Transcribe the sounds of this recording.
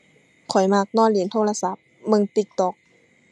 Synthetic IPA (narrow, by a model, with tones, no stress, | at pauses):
kʰɔ˨˩jma˧˩k̚nɔː˧˥˩nli˨˦nt̪ʰoː˧˨la˧sa˧˦p̚ | mɯ˧ŋt̪i˧˩k̚t̪ɔ˧˩k̚